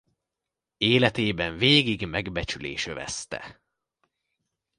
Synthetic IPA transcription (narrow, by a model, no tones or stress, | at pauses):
eːlɛt̪eːbɛɱveːɡiɡmɛɡbɛt͡ʃylḛːʃøvɛ̰st̪ɛ̰